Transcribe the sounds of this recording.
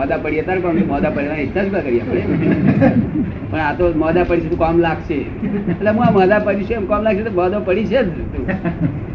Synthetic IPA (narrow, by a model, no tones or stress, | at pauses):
əd̪apəɽiət̪aɾkɔ̃momɔd̪apəɽeʋaisad͡ʒuɡakəɾijapəɳe | pəɳat̪omɔd̪apəɽiʃet̪ũkɔmlaɡʃe | əlleɦũaməd̪apəɾiʃəemkɔmlaɡʃet̪obɔd̪opəɽit͡ʃʰed͡ʒ | t̪ũ